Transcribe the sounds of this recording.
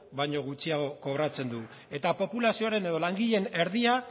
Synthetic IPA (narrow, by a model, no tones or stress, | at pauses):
βajɲo̞ɣut͡siaɣo̞ko̞βɾat͡se̞nd̪u | e̞t̪apo̞pulasio̞aɾe̞ne̞ð̞o̞laŋɡiʎe̞ne̞ɾðia